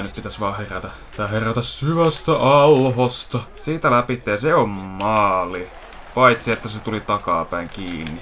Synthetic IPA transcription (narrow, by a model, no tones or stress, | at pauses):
nyppit̪æsʋɑːheræt̪æ | t̪ɑheræt̪æssyʋæst̪æʔɑlhost̪ɑsiːt̪ælæpit̪ːejɑseommɑːli | pɑit̪siet̪ːæset̪ulit̪ɑkɑ̰ːpæiŋkiːnːi